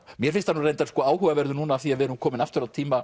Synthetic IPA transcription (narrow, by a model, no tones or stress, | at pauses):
mjɛɾ̥fɪnst̪ʰanurejnt̪aɾskɔːaːwhuːɣavɛɾðʏnuːnaːθiaðvɪɛɾʏmkʰɔːmɪnaft̪ʏɾat̪ʰiːma